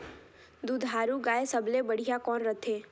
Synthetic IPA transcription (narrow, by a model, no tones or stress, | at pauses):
d̪ud̪ʱaːɾuɡaːesɐblebəɽ̤ijakɔːnɾət̪ʰeː